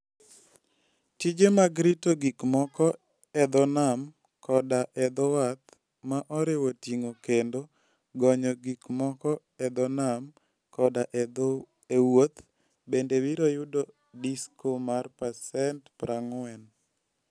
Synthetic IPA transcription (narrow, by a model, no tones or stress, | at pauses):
tid͡ʒemaɡɾitoɡikmɔkɔ | ɛd̪ɔnam | kɔdaʔɛd̪ɔwat̪̚ | maʔɔɾɪwotiŋokendo | ɡɔɲɔɡikmɔkɔ | ɛd̪ɔnam | kɔdaʔ | ewot̪ | bendewiɾojudɔ | diskʰomarpasɛntpɾaŋɛn